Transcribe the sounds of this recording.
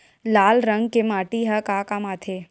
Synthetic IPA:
laːlɾəŋɡ̚kemaːʈiɦɐkakamaːt̪ʰe

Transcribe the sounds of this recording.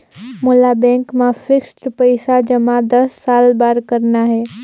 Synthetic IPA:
mʊlabɛ̃ːŋkmãfʰɪksʈəpəɪsad͡ʒɐmãd̪ɐsːaːlbaːɾkəɾnaɦɛː

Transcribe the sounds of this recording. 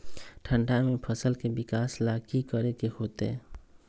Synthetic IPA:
ʈʰə̃ɳɖamẽpʰəsəlkebɪkaːslaːkikəɾekehoːt̪eɛ̃

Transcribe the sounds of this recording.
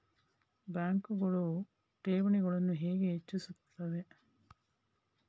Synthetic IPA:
bæːŋkuɡoɭu | ʈeːʋuniɡoɭɐnːuɦeːɡeːt͡ʃːusut̪ːɐʋe

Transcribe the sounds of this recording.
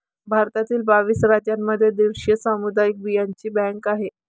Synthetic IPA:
bʱaɾt̪at̪iːlbaʋiːsɾad͡ʑjamːəd̪ʱːjed̪iʋʂjəsamud̪ajik̚bijaɲt͡ɕiːbɛŋkaɦe

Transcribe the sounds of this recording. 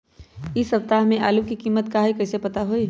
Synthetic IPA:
ɪsəp̚t̪aːɦmẽʔaːlukikiːmːət̪kaɦekəsepɐt̪aɦoi

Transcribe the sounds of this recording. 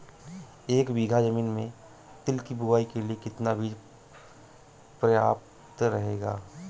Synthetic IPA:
eːkbiːɡʱad͡ʒəmiːnmẽ | t̪ɪlkibʱʊʋaːikeliekɪt̪nabʱiːd͡ʒ | pɾɐjaːp̚ | t̪ɾɐɦeːɡaː

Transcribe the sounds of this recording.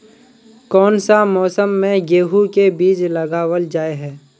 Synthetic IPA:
kɔːnsamɔːsəmːẽɡeːɦukebiːd͡ʒləɡaːwəld͡ʒaːeɦɛː

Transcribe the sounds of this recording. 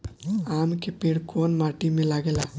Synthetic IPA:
amkepeɽkonmaʈimelaɡela

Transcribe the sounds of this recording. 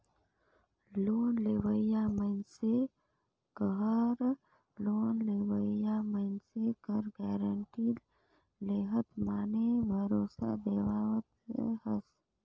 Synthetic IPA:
loːnleːwəjamənse | kəɦəɾ | loːnlewəijamənsekəɾɡɛːɾəɳʈi | leːɦət̪maːnebʱəɾoːsa̰d̪eːwaːwət̪̚ḛhəs

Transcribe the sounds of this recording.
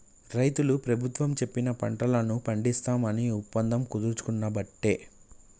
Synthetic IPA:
ɾɐjt̪ulupɾɐbʱut̪ʋɐmt͡ʃe̞pːinɐpɐɳʈɐlɐnupɐɳɖist̪aːmɐniupːɐnd̪ʱɐmkud̪uɾt͡ʃu̥kunːɐbɐʈːe̞ː

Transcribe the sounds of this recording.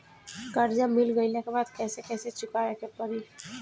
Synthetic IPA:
kəɾd͡ʒamɪlɡəinekebaːd̪kɛːsekɛːset͡ʃʊkaekepəɾi

